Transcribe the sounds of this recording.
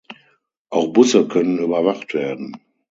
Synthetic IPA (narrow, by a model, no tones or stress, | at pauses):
ʔaʊxb̥ʊsəkʰœnənyːbɐvaχtv̥eːɐdn̩